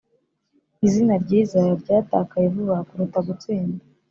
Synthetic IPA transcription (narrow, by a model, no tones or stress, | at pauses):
izinaɾɟiːzajaɾɟaːta̰ːkajevuβakuɾutaɡut͡siːnda